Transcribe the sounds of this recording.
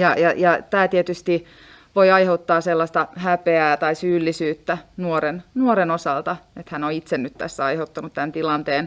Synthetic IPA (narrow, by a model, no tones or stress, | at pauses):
jɑjɑjɑt̪æːt̪iet̪yst̪i | ʋojɑiheut̪ːɑːselːɑst̪ɑhæpeæːt̪ɑisyːlːisyːt̪ːænuoɾennuoɾenosɑlt̪ɑet̪hænoit̪sennyt̪t̪æ̰sːæɑiheut̪ːɑnut̪t̪ænt̪ilɑnt̪eːn